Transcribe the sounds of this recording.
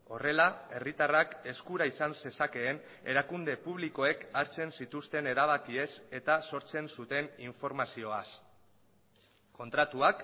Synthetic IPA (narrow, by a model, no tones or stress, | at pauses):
o̞re̞lae̞rit̪arake̞skuɾaisanse̞sake̞ːn | e̞̰ɾakund̪e̞puβ̞liko̞e̞kaɾt͡se̞nsit̪ust̪e̞ne̞ɾaβ̞akie̞se̞t̪aso̞ɾt͡se̞nsut̪e̞niɱfo̞ɾmasio̞as | ko̞nt̪ɾat̪uak